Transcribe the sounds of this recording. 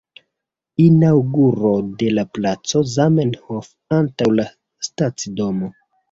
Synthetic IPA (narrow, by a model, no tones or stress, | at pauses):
inawɡuɾo̞de̞laplat͡so̞zamenhof | antawla | stat͡sido̞mo